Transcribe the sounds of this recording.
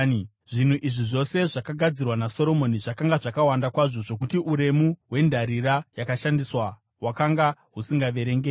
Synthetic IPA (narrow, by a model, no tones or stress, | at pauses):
ʐin̤uʔiʐiʐo̞se̞ʐakaɡʱad͡zirwanaso̞ɾo̞mo̞niʐakaŋɡaʐakawandakwaʐo̞ʐo̞k̬utiʔuɾe̞muɦwe̞ndʱaɾirajakaʃandiswa | wakaŋɡaɦusiŋɡaʋe̞ɾeŋɡe